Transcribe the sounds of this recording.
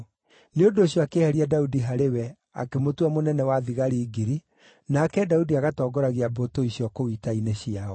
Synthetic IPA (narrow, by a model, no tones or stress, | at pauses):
neondoːɕjɔakehɛɾiadaudiɦaɾewɛ | a̰kemotwamonɛnɛwaðiɣaɾiːɡiɾi | nakɛdaudiaɣatɔːɡɔɾaɣeabotoiɕiɔkowitaineɕiaɔ